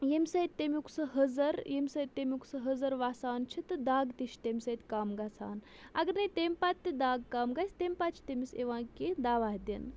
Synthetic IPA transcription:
jemʲsɐjt̪ʲt̪ːemʲikʰsɨɦəzɐɾjemʲsɐt̪̚ʲt̪ːemʲuksɨɦəzɐɾʋaːsaːnt͡ʃʰit̪ɨd̪aːɡt̪iʃt̪emʲsɐt̪ʲkaːmɡat͡sʰaːn | ɐɡɐɾnɐt̪emʲpat̪ːid̪aːɡkaːmɡɐsʲt̪emʲpaːt̪̚t͡ʃʰt̪emiseʋãːkid̪aːʋaːɦd̪ʲin

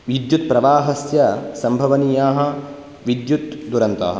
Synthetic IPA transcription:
ʋid̪jut̪̚pɾɐʋaːɦɐsjɐsɐmbʱɐʋɐnijaːɦɐ̆ | ʋid̪jut̪d̪uɾɐnt̪a̰ːɦɐ̰̆

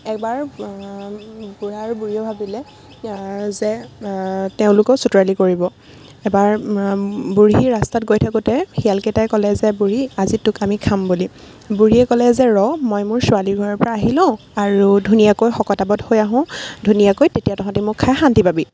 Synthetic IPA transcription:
ɛk̚baɹ | buɹaɹbuɹiɔbʱabilɛ | zɛ | teʊ̃lʊkɔsutɔɹalikoɹibɔ | ɛbaɹ | buɹiɹastatɡojtʰakutɛxialketajkɔlɛzɛbuɹiazitʊkamikʰamboli | buɹiɛkɔlɛzɛɹɔmɔjmʊɹsʊaliɡʱɔɹɔɹpɔɹaːɦilɔ̃ʊ | aɹudʱunijakojxɔkɔtabɔthojaɦʊ̃dʱunijakojtetijatɔkʰãtimʊkʰːajxantibʱabi

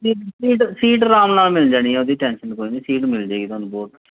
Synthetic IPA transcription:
siːʈsiːʈsiːʈɾaːmnaːlmɪld͡ʒaːɽ̃iːɦɛ̃ːod̪iːʈɛ̃ːnʃənkoːinĩːsiːʈmɪld͡ʒeːɡiːt̪oːnũbɔːʈ̪

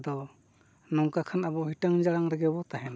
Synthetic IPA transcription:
d̪ɔ | nɔŋkakʰanabɔɦiʈəŋd͡ʒaɽaŋɾɛɡɛbɔt̪aɦɛn

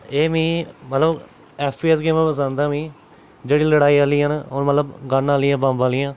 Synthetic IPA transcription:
eːmĩːmət̪ləb | ɛːpʰpiːɛːsɡeːmẽːpəs̬ãːnd̪aːmĩː | d͡ʒeːɽiːləɽaːiːaːliːɦənonmət̪ləbɡənaːliːãːbãːmbaːlɪjãː

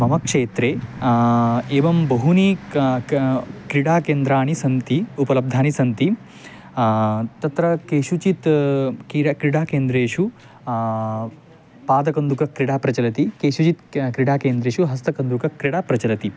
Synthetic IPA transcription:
mɐmɐkʂeːt̪ɾeː | eːʋɐmbɐɦuni | kɾiɽaːkeːnd̪ɾaːɳisɐnt̪iupɐlɐb̚d̪ʱaːɳisɐnt̪i | t̪ɐt̪ɾɐkeːʃut͡ʃit̪kikɾiɽaːkeːnd̪ɾeːʂu | paːd̪ɐkɐnd̪ukɐkɾiɽaːpɾɐt͡ʃɐlɐt̪ikeːʃut͡ʃit̪kɾiɽaːkeːnd̪ɾeːʂuɦɐs̬t̪ɐkɐnd̪ukɐkɾiɽaːpɾɐt͡ʃɐlɐt̪i

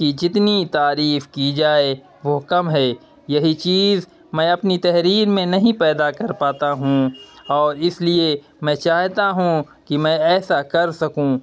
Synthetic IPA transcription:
kid͡ʒɪt̪nit̪aːɾiːfkid͡ʒaːe | ʋokɐmɦɛː | jɐɦit͡ʃiːz | mɛ̃ːɐpnit̪ɛɦɾiːɾmẽnɐɦĩpɛːd̪akɐɾpaːt̪aɦũɔːɾɪslie | mɛ̃ːt͡ʃaːɦt̪aɦũ | kimɛ̃ːɛːsakɐɾsɐkũ

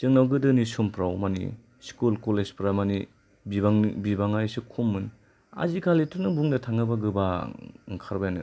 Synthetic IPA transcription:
t͡ʃɯŋnawɡɯdɯnisumpɾawmanḭ | skulkolezpɾamani | bibaŋbibaŋajsɯkʰumːɯn | a̰zikʰalitunɯbuŋdatʰaŋɯbaɡɯbaŋkʰaɾbajanɯ

